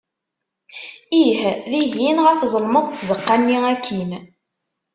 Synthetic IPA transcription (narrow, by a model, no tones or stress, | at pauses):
ihðiʝinʁəfzˤəlməðˤt͡s̪ːzəqːanːiækʰːin